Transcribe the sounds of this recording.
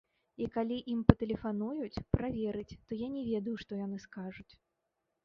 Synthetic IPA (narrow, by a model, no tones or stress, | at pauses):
ikalʲiʔimpɐt̪ɛlʲɛfanujut͡sʲpɾavʲɛɾɨt͡sʲt̪ɔjanʲɛvʲɛd̪ɐjuʂt̪ɔjanɨskaʐut͡sʲ